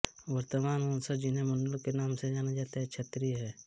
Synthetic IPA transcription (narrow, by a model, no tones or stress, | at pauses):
ʋəɾt̪əmaːnɔ̃ːnsəd͡ʒɪnɦẽmə̃nɖəlkenaːmsed͡ʒaːnad͡ʒaːt̪aɦɛt͡ʃʰɐt̪ɾiɦɛː